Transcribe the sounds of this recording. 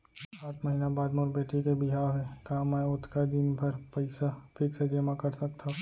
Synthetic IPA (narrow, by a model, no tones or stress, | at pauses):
aːt̪ʰmɐɦiːnabaːd̪mʊɾbeːʈikebɪɦaːɦɛkãmɛ̃ʊt̪ʰkad̪inpʰɐɾpɐɪsapʰɪksed͡ʒeːmakɐɾsɐk̚t̪a